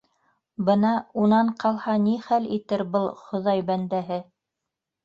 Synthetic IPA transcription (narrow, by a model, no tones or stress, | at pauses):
bɤnɑunɑɴqʰɑlˠhɑniχælit̪ɘɾbɤlˠχŏðɑjbænd̪æɦɘ